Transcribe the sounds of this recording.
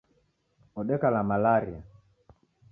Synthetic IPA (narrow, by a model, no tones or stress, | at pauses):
ɔɗɛkalamalaɾia̰